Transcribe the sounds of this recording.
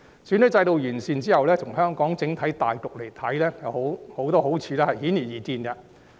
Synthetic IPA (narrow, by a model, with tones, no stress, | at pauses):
syː˨˥nɵ˨˥t͡sɐ˧jt̪o˨wjyː˨˩nsiː˨˧nt͡siː˥hɐ˨wlɛː˥tʰʊ˨˩ŋhœː˥ŋkɔː˨˥ŋt͡sɪ˨˥ŋt̪ʰɐ˨˥jt̪aː˨jt̪ʊ˨k̚le˨˩jt̪ʰɐ˨˥jlɛː˥jɐ˨who˨˥who˨˥wt̪ɔː˥ho˨˥wt͡sʰiː˧lɛː˥hɐ˨jhiː˨˥njiː˨˩jiː˨˩t̪iː˧nɡɐ˧